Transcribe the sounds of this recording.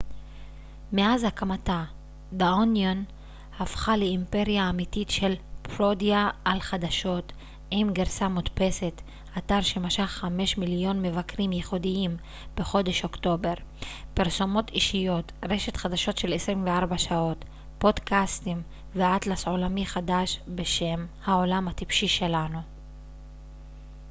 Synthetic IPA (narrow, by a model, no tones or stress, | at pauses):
meazhakamata | beonjon | hafχaleimpe̞ʁijaːmititʃe̞lpʁo̞diaʔalχad̪aʃo̞t | ʔimɡeʁsamut̪pe̞se̞t | ʔataʁʃemaʃaχχame̞ʃmiljo̞nme̞vakʁimjeχudiim | b̥e̞χo̞d̪e̞ʃo̞kto̞be̞ʁpiʁso̞mo̞tiʃijo̞tʁe̞ʃe̞t̪χad̪aʃo̞tʃe̞lesʁimveaʁbaʃao̞t | po̞d̪kastim | veat̪laso̞lamiχadaʃbe̞ʃe̞mhao̞lamhat̪ipʃiʃe̞lanu